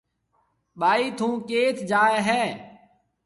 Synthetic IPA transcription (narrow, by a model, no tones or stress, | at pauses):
ɓaːiːt̪ʰũːkeːt̪ʰd͡ʒaːeːɦɛː